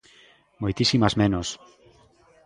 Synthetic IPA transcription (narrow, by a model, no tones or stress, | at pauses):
mojt̪isimazmẽnos